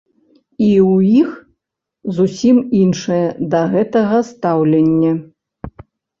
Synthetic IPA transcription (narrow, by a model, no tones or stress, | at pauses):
iujix | zusʲiminʂɨjɛd̪ɐɣɛt̪ɐɣɐst̪awlʲɛnʲːɛ